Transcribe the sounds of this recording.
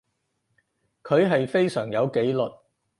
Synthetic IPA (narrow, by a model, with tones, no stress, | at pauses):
kʰɵ˨˧ɥɦɐ˨jfe˥jsœː˨˩ŋjɐ˨˧wke˨˥jlɵ˨t̚